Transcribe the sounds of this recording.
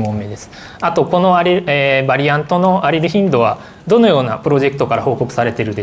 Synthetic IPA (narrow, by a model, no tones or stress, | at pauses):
mõmːed̪e̞sɨ̥ | at̪o̞ko̞no̞aɾʲieːbaɾʲiãnt̪o̞no̞aɾʲiɾɯ̟çĩnd̪o̞βa | d̪o̞no̞jo̞ːna̰pɯ̟ɾo̞ʑe̞kɯ̥t̪o̞kaɾaho̞ːko̞kɯ̟̥saɾe̞t̪e̞ɾɯ̟d̪e